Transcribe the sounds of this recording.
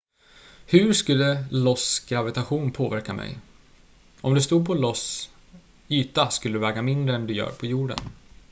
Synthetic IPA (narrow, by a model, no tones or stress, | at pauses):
hɵɾʂkɵlːəlɔsɡ̥ɾavɪt̪aɧuːnpʰoːvæɾkamɛ̰j | ʔɔmd̪ɵst̪uːd̪̚pʰɔlɔs | yːt̪askɵlːəd̪ɵvɛːɡamɪnd̪ɾəɛnd̪ɵjœ̰ːɾpʰɔjuːɖə̰n